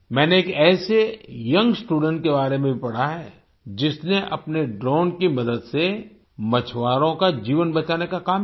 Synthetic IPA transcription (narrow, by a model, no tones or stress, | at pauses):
mɛ̃ːneːkɛːsejɐ̃ŋɡsʈuːɖə̃ɳʈ̚kebaːɾemẽbʱipɐɽ̤aɦɛː | d͡ʒɪsneʔɐpneɖɾɔːɳkimɐd̪əd̪se | mɐt͡ʃʰʋaːɾõkad͡ʒiːʋənbɐt͡ʃaːnekakaːm